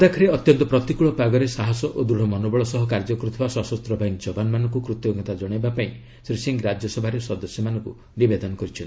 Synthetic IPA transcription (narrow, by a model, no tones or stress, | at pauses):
d̪akʰɔɾeɔt̪jɔnt̪ɔpɾɔt̪ikuɭɔpaɡɔɾesaɦɔsɔʔod̪ɾuɽ̤ɔmɔnobɔɭɔsɔɦɔkaɾd͡ʒɔkɾut̪ʰɔbasɔsɔst̪ɾɔbʱajiŋd͡ʒɔbanmanɔŋkukɾut̪jɔɡɔt̪ad͡ʒɔɽ̃ajbapaĩ | sɾiseŋɡɾad͡ʒjɔsɔbʱaɾesɔd̪ɔsjɔmanɔŋku | nibed̪ɔnɔkɔɾit͡ʃʰɔnt̪i